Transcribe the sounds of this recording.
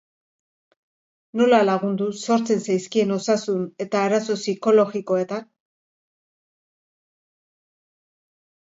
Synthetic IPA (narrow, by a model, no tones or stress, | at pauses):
no̞lalaɣ̞und̪uso̞ɾt͡se̞nsajskie̞no̞sasune̞t̪aːɾaso̞siko̞lo̞ɣiko̞e̞t̪an